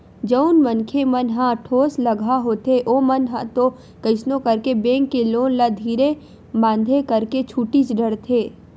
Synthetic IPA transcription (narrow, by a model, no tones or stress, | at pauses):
d͡ʒəʊnmɐnkʰemɐnɦãʈʰoːslɐɡʱaɦot̪eʔoːmɐnɦãt̪o | kɐɪsnõkɐɾkebẽːŋkːeloːnlad̪ʱiːɾe | bãːn̆d̪ʱekɐɾket͡ʃʰuːʈit͡ʃɖəɽt̪ʰeː